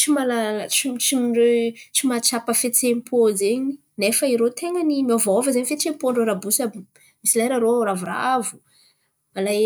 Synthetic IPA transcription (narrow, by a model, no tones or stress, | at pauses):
t͡ʃimalalt͡ʃit͡ʃiɖ͡ʐet͡ʃimat͡ʃapəfet͡sempʰozeɲi | nefəiɾot̪eŋənimiavaovəzaɲifet͡sempoɳɖ͡ʐoɾabusabi | misilajɾaɾouɾavura̰avu̥ | malaj